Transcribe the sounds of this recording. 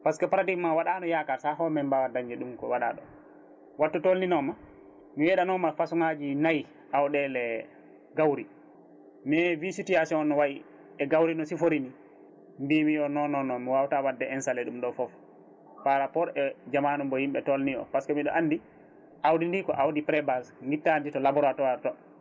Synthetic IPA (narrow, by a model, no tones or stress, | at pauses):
paskɔpaɾadiɡmawaɗanɔjakaɾsaɦɔmɛmbawadaɲd͡ʒɛɗumkɔ̰waɗa̰ɗɔ̰ | watːutolninɔma | miwɛɗanɔmafasuŋad͡ʒinaj | ʔawɗɛlɛ | ɡawɾi | mɛvisutiasiɔnːɔwaji | ɛɡawɾinɔsifoɾini | mbimijɔnɔnɔnːɔmiwawtawadːɛɛnsalɛɗumɗɔfɔf | paɾapɔɾɛd͡ʒamanumbɔhimɓɛtolnijɔ̰paskɔmiɗɔ̰ʔanːdi | ʔawdindikɔ̰ʔawdipɾɛbasŋɡitːanditɔlabɔɾatɔatɔ